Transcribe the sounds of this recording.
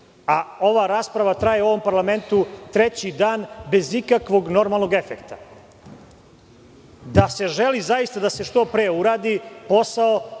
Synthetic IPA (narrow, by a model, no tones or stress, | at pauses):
ao̞ʋaɾaːspɾaʋat̪ɾajeuo̞ʋo̞mpaɾlˠame̞nt̪ut̪ɾet͡ɕid̪aːnbe̞zikakʋo̞ɡno̞ɾmalˠno̞ɡe̞fekt̪a | d̪ase̞ʒelizajist̪ad̪ase̞ʃt̪o̞pɾeːuɾaːd̪ipo̞sao